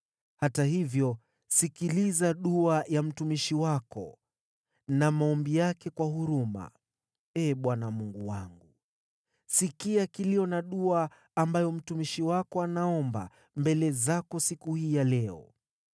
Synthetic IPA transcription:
hatahivjɔ | sikilizaɗuajam̩tumiʃiwakɔ̰ | namaɔmbijakɛkwahuɾuma̰ | ɛːɓwanamuŋɡuwaŋɡu | sikiakiliɔnaɗuaː | mbajɔm̩tumiʃiwakɔanaɔmba̰ | mbɛlɛzakɔsikuhiːjalɛɔ̰

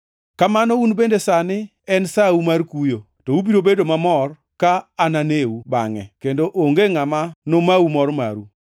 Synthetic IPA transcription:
kamanɔunbendesanɪ | ɛnsaumarkujo | tɔubiɾobedomamɔr | kaːnaneuba̰ŋɛ̰kendoʔoŋɡeŋamanomaumɔɾma̰ɾu

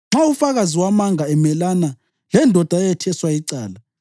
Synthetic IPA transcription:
ŋ͡ǁaufaɣaziwamaŋaɛmɛlana | lɛndʱɔd̥ʱaɛjɛtʰɛswaiǀaːla

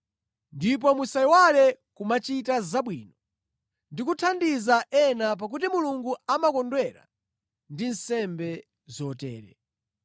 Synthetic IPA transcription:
ndip̬ɔmusaiwalɛkumat͡ʃitazaɓwiːnɔ | ndikutʰandizaʔɛnap̬ak̬utimuluŋɡuamakɔndwɛɾa̰ | ndin̩sɛmbɛ | zɔtɛ̰ːɾɛ̰

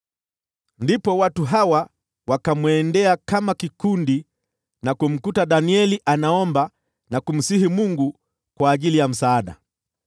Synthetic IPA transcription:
ndipɔwatuɦawa | wakamwɛndɛakamakikundi | nakum̩kutaɗaniɛliʔanaɔmba | nakum̩sihimuŋɡu | kwaːʄilijam̩saːɗa̰

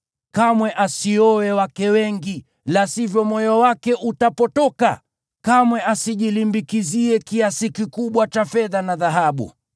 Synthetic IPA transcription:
kamwɛʔasiɔwɛwakɛwɛŋɡi | lasivjɔmɔjɔwakɛʔutapɔtɔka | kamwɛʔasiʄilimbikiziɛkiasikikuɓwat͡ʃafɛðanaðaɦaɓṵ

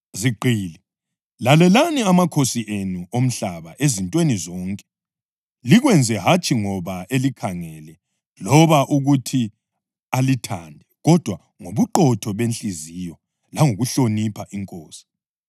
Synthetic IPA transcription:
ziǃʱiːli | lalɛlaniamakʰosiʔenuom̩ɬaβaʔezintʼwenizɔŋkʼɛ̥ | liɣwɛnd͡zʱɛɦat͡ʃʰʼiŋɔβaʔelikʰaŋɛlɛ | lɔβaʔuɣutʰi | alitʰandʱɛɣɔd̥ʱwa | ŋoβuǃɔtʰɔβent͡ɬʼizijɔ | laŋoɣuɬonipʰaʔiŋkʼɔːsi̥

